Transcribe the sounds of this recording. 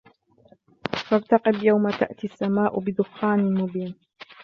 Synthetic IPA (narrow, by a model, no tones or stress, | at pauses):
fɑɾt̪ɑqɪbjawmat̪a̰ʔt̪iasːamaːʔʊbɪd̪ʊxːaːnɪlmʊbiːn